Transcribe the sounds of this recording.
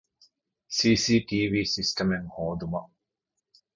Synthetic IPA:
siːsiːʈiːʋiːsisʈɐmeŋhoːd̪umɐʔ

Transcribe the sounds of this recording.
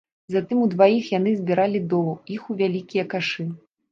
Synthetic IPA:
zat̪ɨmud̪vajixjan̪ɨzʲbʲiɾalʲid̪ɔuixuvʲalʲikʲijɐkaʂɨ

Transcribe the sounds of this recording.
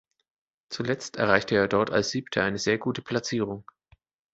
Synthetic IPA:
t͡sulɛt͡stɛɐʁ̞aɪçtʰəeːɐdɔɐta̰lsz̥iːptʰəʔaɪnəzeːɐɡuːtə̥pʰl̥at͡siːʁ̞ʊŋ

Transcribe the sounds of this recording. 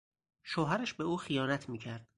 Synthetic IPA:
ʃoːɦæɾæʃbe̞uːxijɒːnæt̪ʰmiːcʰæɾd̪̥

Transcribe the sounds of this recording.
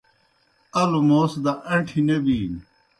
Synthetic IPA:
ɐlumoːsd̪ɐʔɐɳʈʰinɐbiː

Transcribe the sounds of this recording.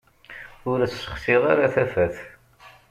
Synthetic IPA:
ʊɾt͡sːsə̥χsɪʁaɾaθæfæθ

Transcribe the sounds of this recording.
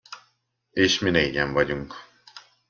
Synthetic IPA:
eːʃmineːɟɛɱvɒɟuŋk

